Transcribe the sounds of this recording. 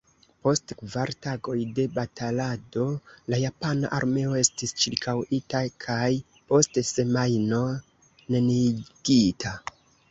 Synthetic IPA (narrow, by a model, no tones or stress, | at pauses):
po̞stkvaɾtaɡo̞jde̞batalado̞lajapana̰ʔa̰ɾme̞o̞e̞stist͡ʃiɾkʰawitakʰaj | po̞stse̞majno̞ | neniɡ̥itʰa